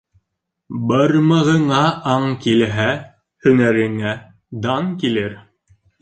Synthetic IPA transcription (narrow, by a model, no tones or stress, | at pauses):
bɤɾmɤ̆ʁɤ̆ɴɑʔɑɴkilɦæ | hɵ̆ŋæɾɘ̆ŋæ | d̪ɑŋkilɘɾ